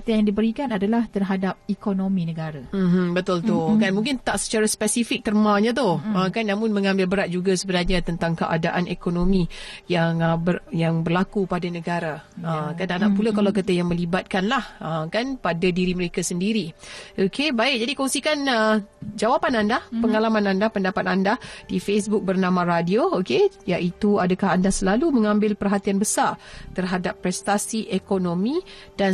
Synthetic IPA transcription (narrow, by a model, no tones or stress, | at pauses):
kt̪ijaŋdibəɾikanadalaht̪ərɦadap̚ikonomĩnəɡaɾam̩m̩bət̪ult̪ʊkanmũŋk̬ɪnt̪aʔsə̥t͡ʃaɾaspɛsifɪk̚t̪ərmãɲãt̪̬ʊhəkanːamʊ̃nməŋãmbɪlbəɾat̪̚d͡ʒuɡasəbənarɲãt̪ənt̪aŋkəʔa̰daʔanekonomĩjaŋbəjaŋbərlakupadanəɡaɾaəkananaʔpulakalawkət̪əjaŋmə̃libat̪̚kanlahəkanpadadiɾiməɾekasəndiɾiʔokʰebaɪk̚d͡ʒadikɔŋsikanəd͡ʒawapanandahpəŋalamãnandahpəndapat̪andahd̥ifes̬bʊk̚bərnãmãɾadiookejaʔit̪uadakaɦandahsəlalumə̃ŋãmbɪlpərɦat̪ianbəsart̪ərɦadapːɾɛst̪asiʔekonomĩ | d̥an